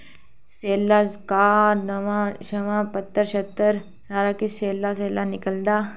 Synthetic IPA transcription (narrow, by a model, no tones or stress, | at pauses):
seːlːakaːɾnɐʋãʃɐʋãːpɐt̪ːəɾʃɐt̪ːəɾ | saːɾakiseːlːas̬eːlanɪkəld̪aː